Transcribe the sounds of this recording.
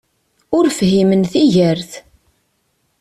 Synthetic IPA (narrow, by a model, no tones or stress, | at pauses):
ʊɾfɦimənθiʝəɾθ